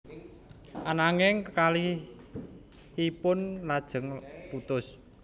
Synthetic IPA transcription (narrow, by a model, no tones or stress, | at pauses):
ʔanaŋɪŋkali | hipʊnlad̥ʒ̥ə̤ŋput̪ʊs